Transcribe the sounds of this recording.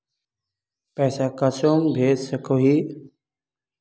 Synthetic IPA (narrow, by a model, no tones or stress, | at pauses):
pɛːsaːkəsoːmbʱeːd͡ʒsəkʰoːɦiː